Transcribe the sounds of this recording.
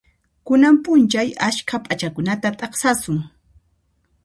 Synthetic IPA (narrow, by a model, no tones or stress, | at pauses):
kʊnampʼʊnt͡ʃajaʃkʰapʼat͡ʃakʊnat̪at̪ʼɑχsasʊŋ